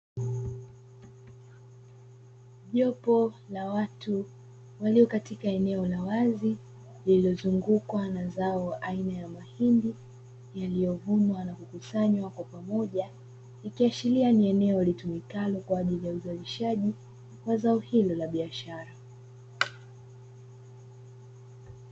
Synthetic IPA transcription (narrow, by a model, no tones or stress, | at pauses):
ʄɔpɔlawatu | waliɔkatikaɛnɛɔlawazi | lililɔzuŋɡukwanazaɔʔainajamahindi | jalijɔvumwanakukusaɲwakwapamɔʄa | ikiat͡ʃilianiɛnɛɔlitumikalɔkwaːʄilijauzaliʃaʄi | wazaɔhilɔlaɓiaʃaɾa